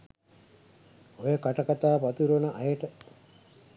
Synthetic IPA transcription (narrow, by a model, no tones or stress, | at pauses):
ojəkaʈakat̪aːpat̪uɾonəʔajəʈə